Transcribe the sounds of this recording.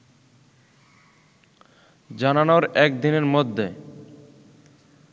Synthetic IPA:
d͡ʑananoɾɛk̚d̪ineɾmod̪ʱːe

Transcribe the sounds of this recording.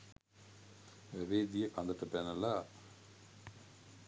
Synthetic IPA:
ɛʋeːd̪ijəkand̪əʈəpænəla

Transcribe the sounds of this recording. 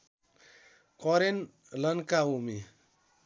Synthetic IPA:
kɔɾen | lənkaumi

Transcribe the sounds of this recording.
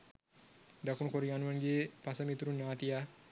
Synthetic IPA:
dakunkoɾiŋanuanɡepasamit̪uɾunːaːt̪ia

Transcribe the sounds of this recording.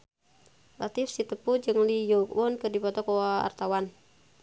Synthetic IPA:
lʔat̪ifsit̪əpud͡ʒɨŋlijɔkwɔnkɨdipɔt̪ɔkɔaa̰rt̪awan

